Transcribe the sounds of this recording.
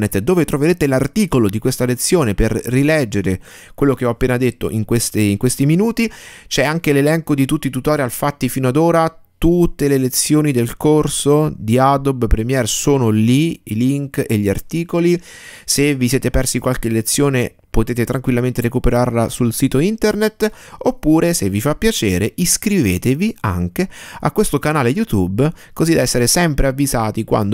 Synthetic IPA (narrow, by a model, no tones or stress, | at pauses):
net̪ːd̪oːvet̪ɾoveɾeːt̪elart̪iːkolod̪ikwest̪alet̪sːjoːneperːilɛd͡ʒːeɾe | kwelːok̟eɔapːeːnad̪et̪ːo̰ʔiŋkwest̪eiŋkwest̪iminuːt̪it͡ʃɛaŋkelelɛŋkod̪it̪ut̪ːit̪ut̪ɔːɾialfat̪ːifiːnoad̪oːɾat̪ut̪ːelelet̪sːjoːnid̪elkorsod̪iad̪ɔbpɾemjɛɾsoːnoliiliŋkeʎːiart̪iːkolisevːisjɛːt̪epɛrsikwalkelːet̪sːjoːne | pot̪eːt̪et̪ɾaŋkwilːament̪eɾekupeɾarlasulsiːt̪oint̪ernet̪ːopːuːɾʔesevːifapːjat͡ʃḛːɾeiskɾiveːt̪evia̰ŋk̟ea̰kːwest̪okanaːlejut̪ubkozid̪aɛsːeɾesɛmpɾeavːizaːt̪ikwa̰nd̪